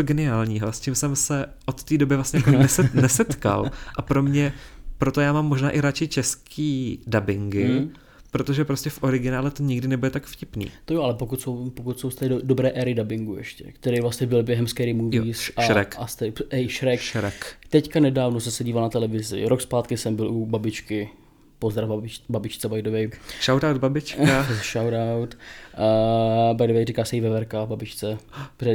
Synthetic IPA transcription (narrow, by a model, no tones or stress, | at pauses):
oɡɛnɪaːlɲiːɦo̞scɪmsɛmsɛʔo̞t̪ːiːdo̞bɪvlasɲɛjakonɛsɛnɛsɛt̪ka̰lʔapɾo̞mɲɛpɾo̞t̪o̞jaːmaːmːo̞ʒnaːʔɪɾat͡ʃɪt͡ʃɛskʰiːdabɪŋɡɪ | pɾo̞t̪o̞ʒɛpɾo̞scɛfʔo̞ɾɪɡɪnaːlɛt̪o̞ɲɪɡdɪnɛbudɛt̪akfcɪpnḭːt̪ojoʔalɛpokut̪sowpokut̪sowst̪ɛdobɾɛːʔɛːɾɪdabɪŋɡuʔɛ̰ʃcɛ̰kt̪ɛɾejvlasɲɛbɪlbjɛɦɛmskɛɾɪmuvisʔaɾɛkʔast̪ɛɛjʃɾɛkɾɛkt̪ɛckanɛdaːvnosɛmsɛɟiːvalnat̪ɛlɛvɪzɪ̰ɾo̞kspaːt̪kɪsɛmbɪlʔubabɪt͡ʃkɪ | pozd̪ɾavbabɪt͡ʃt͡sɛbajdovɛjʃawtawd̪̚babɪt͡ʃkaʃawtawt̪ː | bajdovɛjrikaːsɛjivɛvɛɾkababɪt͡ʃt͡sɛprɛ